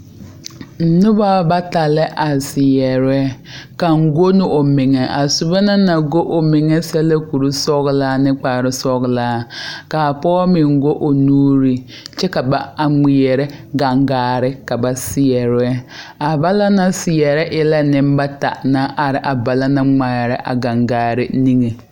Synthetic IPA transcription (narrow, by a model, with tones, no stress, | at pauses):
n̩˨˦nʊ˦ba˦ba˦ta˨lɪ˦ʔa˨sɪ˨jɛ˨ɾɛ˦ka˨ŋ̩˨ɡo˦nɪ˦ʔo˨mɪ˨ŋɛ˨ʔa˨sʊ˨ba˦na˦na˨ɡo˦ʔo˨mɪ˨ŋɛ˦sɛ˦lɛ˦ku˨ɾu˦sɔ˦ɣlaː˦nɪ˦k͡paː˨ɾɪ˦sɔ˦ɣlaː˦ka˨pɔː˦mɪ˨ŋɡo˦ʔo˨nuː˦ɾi˨ | t͡ʃɛ˦ka˨ba˨a˨ŋ͡mi˨jɛ˨ɾɛ˦ɡa˨ŋɡaː˨ɾɪ˦ka˨ba˨sɪ˦jɛ˨ɾɛ˦ | a˨ba˦la˦na˨sɪ˨jɛ˨ɾɛ˦ʔɪ˦la˦nɪ˦m˦ba˦ta̰˨na˦ʔa˨ɾɪ˨ʔa˨ba˨la˦na˦ŋ͡ma˨ɾɛ˦ʔa̰˨ɡa˨ŋɡaː˨ɾɪ˦ni˦ŋe˨